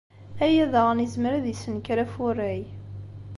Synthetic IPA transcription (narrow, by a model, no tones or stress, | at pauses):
æjæðəʁnizməɾæðisənkɾæfʊrːæj